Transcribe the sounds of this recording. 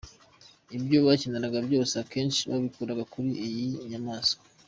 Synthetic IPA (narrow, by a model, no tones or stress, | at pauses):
ibɟo̞βacineɾaɡabɟo̞ːseake̞ːnʃiβa̰βikuɾaɡakuɾiʔijiɲamaːso̥